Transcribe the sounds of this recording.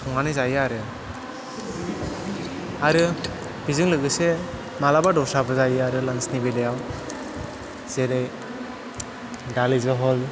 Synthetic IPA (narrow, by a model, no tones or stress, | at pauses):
tʰɔŋanɯjzajaɾɯ | aɾɯ | b̥izɯŋlɯɡɯse | malabadɔsabɯzajɯaɾɯlansnibelejaw | zeɾej | dalizɯɦɔl